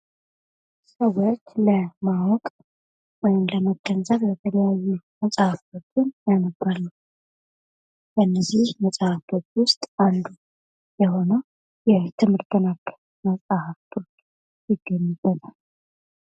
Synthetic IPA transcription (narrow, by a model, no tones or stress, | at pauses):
səwot͡ʃːləmawɔkʼ | wɔjɪmləməɡ̥ənzəβbət̪ʰələjajːuməsʼahafot͡ʃːʊnjanəbalːu | bənːəzihməsʼahafot͡ʃːwʊst̪ʼand̪u | jɛho̞nəw | jɛt̪ʰɨmɨɾd̪ənakː | məsʼahaft̪ʰʼot͡ʃ | jɪɡəɲːɪbət̪ʼal